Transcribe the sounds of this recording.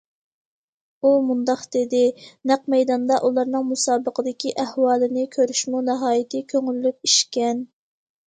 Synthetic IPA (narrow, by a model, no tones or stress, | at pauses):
umund̪ɑqd̪̥ɪd̪ɪnæqmɛjd̪ɑnd̪ɑʔulˠɑɾnɨŋmusɑːbəqəd̪ɪkʲiʔæhwɑːlˠɨnɪkʲʰøɾyʃmunɛɦɑːjɪt̪ʰɪkʲʰøŋylːyp̚iʃkʲɛn